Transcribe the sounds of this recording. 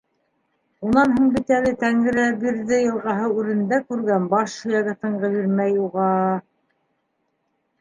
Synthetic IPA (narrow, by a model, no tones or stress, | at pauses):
unɑnhuɴbit̪ælɘt̪æŋɘ̆ɾæbiɾðɘjɤ̆lˠʁɑɦɤʉɾɘ̆nd̪ækʉɾɡænbɑʃɵ̆jæɡæt̪ɤ̆ɴʁɤ̆βiɾmæjuʁɑ